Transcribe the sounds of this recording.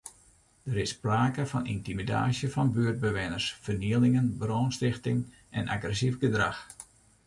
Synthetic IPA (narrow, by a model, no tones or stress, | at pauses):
d̥əɾɪspraːkəfɔnḭntimida̰ːsjəfɔnbyərd̚bəʋɪnərsfərniəlɪŋənbroːnstɪxtɪŋ | ʔɛnʔa̰ɡrɛsifɡədra̰x